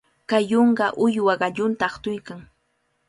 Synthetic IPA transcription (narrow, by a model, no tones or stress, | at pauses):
kajːoɴɢɑʔʊjwaɢɑʎʊnt̪aːχt̪ʊjkaŋ